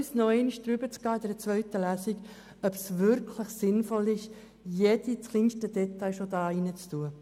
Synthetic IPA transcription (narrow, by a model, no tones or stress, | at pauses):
snɔɛɪniʃd̥ɾybət͡sɡ̥ɑːɪd̥ɛɾət͡svœʏtəlæsiɡ | œbsʋʏɾkʰləχsɪnfɔlɪʃ | jed̥ilinʃtədɛtaɪʃodɑːinət͡stuə